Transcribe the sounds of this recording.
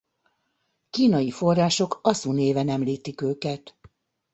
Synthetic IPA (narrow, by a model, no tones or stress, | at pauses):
kiːnɒjifo̞rːaːʃo̞kɒsuneːvɛnɛmliːt̪ikøːkɛt̪